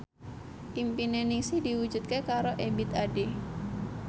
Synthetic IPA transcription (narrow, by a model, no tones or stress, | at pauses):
impinenɪŋsihdiwud͡ʒut̪̚kekaɾoʔebɪt̪ade